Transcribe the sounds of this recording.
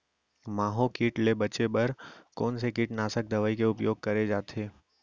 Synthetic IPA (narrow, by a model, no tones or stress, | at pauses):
maːɦokiːʈlebɐt͡ʃebɐɾkɔːnsekiːʈnaːsək̚d̪ɐʋaːikeʊpjoːɡ̚kɐɾed͡ʒaːt̪ʰeː